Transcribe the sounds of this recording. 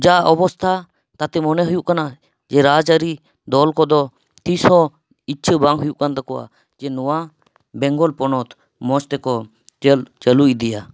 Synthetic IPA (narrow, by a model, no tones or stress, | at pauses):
d͡ʒaɔbɔst̪ʰa | t̪at̪ɛmɔnɛɦujuʔkana | d͡ʒɛɾad͡ʒaɾi | d̪ɔlkɔd̪ɔ | t̪isɔ | itːʃʰəbãŋɡɦujuʔkant̪ɔkɔa̰ | d͡ʒɛnɔwa | bɛŋɡɔlpɔnɔt̪ | mɔt͡ʃt̪ɛkɔ | t͡ʃəluid̪ija